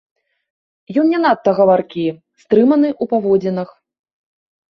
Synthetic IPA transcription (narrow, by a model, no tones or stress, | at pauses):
jɔnnʲɛnat̪ːɐɣɐvarkʲi | st̪ɾɨmɐnɨʔupavɔd͡zʲɛnɐx